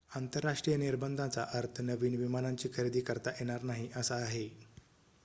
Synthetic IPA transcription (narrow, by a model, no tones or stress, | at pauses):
ant̪əɾːaʂʈɾijəniɾbənd̪ʱat͡saʔəɾt̪ʰənəʋiːɳʋimanaɲt͡ɕiːkʰəɾid̪iːkəɾt̪aʔjeɽ̃aɾnaɦiʔəsaːɦe